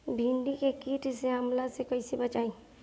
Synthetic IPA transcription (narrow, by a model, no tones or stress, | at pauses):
bʱĩɳɖikekiːʈseamlasekəisibɐt͡ʃaːĩ